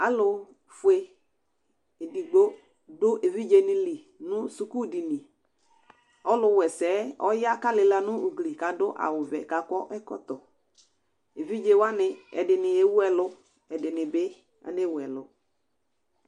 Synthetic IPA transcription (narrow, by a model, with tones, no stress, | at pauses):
a˨˦lʊ˨ | fʊ˨˦e˦ | e˨di˨ɡ͡bo˦ | dʊ˦ʔe˨vi˦d͡ʒe˦nɪ˦li˨ | nʊ˦su˦ku˦˨di˨ni˨ | ɔ˦lʊ˨˦wɛ˨sɛː˨˦ɔ̰˦ja˦ka˦lɪ˨la˨nʊ˦ʊ˨ɡli˨ka˨dʊ˦ʔa̰˨wʊ˨vɛ̰˨ka˨kɔ˦ʔɛ˦kɔ̰˦t̪ɔ˨ | e˨vi˦d͡ʒe˦wa˦nɪ˨ɛ̰˨dɪ˨nɪ˨e˦wu˦ɛ˨lʊ˦ | ɛ˨dɪ˨nɪ˨bɪ˦ | a̰˨ne˦˨wɛ˨lʊ˨